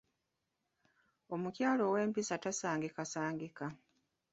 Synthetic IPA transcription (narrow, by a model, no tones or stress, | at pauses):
o̞mucjaːlo̞we̞ːmpisatasaːŋɡikasaːŋɡika